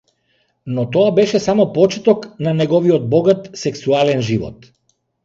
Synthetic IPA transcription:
nɔt̪ɔabɛʃɛsamɔpɔt͡ʃɛt̪ɔknanɛɡɔviɔd̪̚bɔɡat̪sɛksualɛnʒivɔ̰t̪

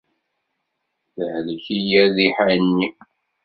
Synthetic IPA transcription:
θəhlçijæðiħanːi

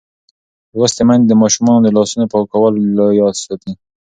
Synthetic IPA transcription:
wɾʊst̪emanzd̪əmɑʃumɑnod̪əlɑsunopɑwkawəlːojɑd̪sɑt̪i

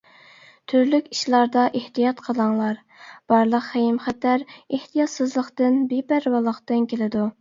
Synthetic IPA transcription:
t̪ʰyɾlykʲi̥ʃlˠɑɾd̪ɑʔeht̪ijɑt̪qʰəlˠɑŋlˠɑɾ | b̥ɑɾlˠəqːejimχæt̪æɾeht̪ʰijɑt̪sɨzlˠəqt̪ɨnbebæɾwɑlˠəqt̪ɨnkʲʰelɪd̪u

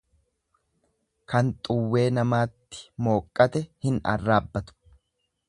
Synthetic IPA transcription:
kɐnt̪ʼʊwːe̞ːnɐmaːt̪ːɪ̥mo̞ːkʼːɐt̪ɛhɪnɐ̰rːaːbːɐt̪ʊ̥

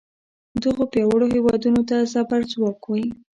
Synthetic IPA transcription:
d̪əɣopjɑwəɽohewɑd̪unot̪azabaɾzwɑkwi

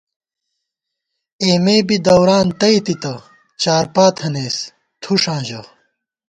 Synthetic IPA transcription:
eːmeːbid̪ɐwɾaːnt̪ɐjt̪it̪ɐ | t͡ɕaːɾpaːt̪ʰhɐneːs | t̪ʰuʂãːʑɐ

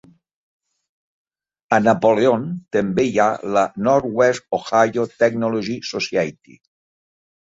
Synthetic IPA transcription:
ənapoleont̪əmbejalənɔɾwɛsoxajot̪ɛknoloʒisosjajt̪ḭ

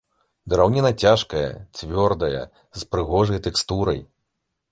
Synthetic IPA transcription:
d̪ɐɾawnʲinɐt͡sʲaʂkɐjɐ̰t͡sʲvʲɔrd̪ɐjɐ̰ | zpɾɨɣɔʐɐjt̪ɛkst̪uɾɐj

